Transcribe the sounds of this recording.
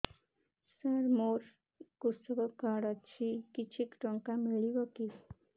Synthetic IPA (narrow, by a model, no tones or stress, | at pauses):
səɾmoɾ | kusəbəkaɽat͡ɕikit͡ɕʰikʈɔŋkamiɭiʋəki